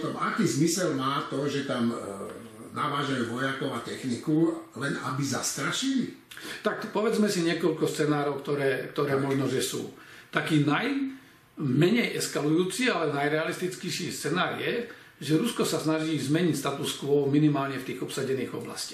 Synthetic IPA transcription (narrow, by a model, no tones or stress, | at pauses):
t̪ɔmakiːzmisɛlmaːt̪ɔʒɛt̪am | naʋaːʒajuːʋɔjakɔʊat̪ɛxnikulɛna̰bizast̪ɾaʃili | t̪akpɔʋɛd͡zmɛsiɲɪɛkɔʎkɔst͡sɛnaːɾɔʊkt̪ɔɾɛːkt̪ɔɾɛːmɔʒnɔʒɛsṵː | t̪akiːnaj | mɛɲɛjʔɛskalujuːt͡sialɛnajɾɛalist̪it͡skɛʃiːst͡sɛnaːɾjɛ | ʒɛɾuskɔsasnaʒiːzmɛɲicst̪at̪uskʋɔʊminimaːlɲɛft̪iːɣɔpsaɟɛniːɣɔbla̰sci̥